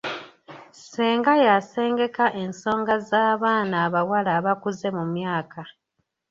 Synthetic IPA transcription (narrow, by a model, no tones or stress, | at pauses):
seːŋɡajase̞ːŋɡe̞kaʔe̞nso̞ːŋɡazaːβaːnaːβawalaβakuze̞mumjaːkʰa